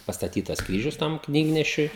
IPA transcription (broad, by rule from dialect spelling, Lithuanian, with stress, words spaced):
pɐstɐˈtʲiːtɐs ˈkrʲiːʒʲʊs ˈtɐm ˈknʲiːɡnʲɛʃʲʊɪ